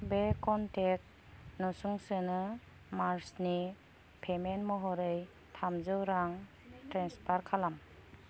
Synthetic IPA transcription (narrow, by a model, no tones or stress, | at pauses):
bekɔntek̚t̚ | nɔsuŋsɯnɯ | maɾsni | pʰemenmɔɦɔɾɯj | tʰamzɯwɾaŋ | tɾenspʰaɾkʰalam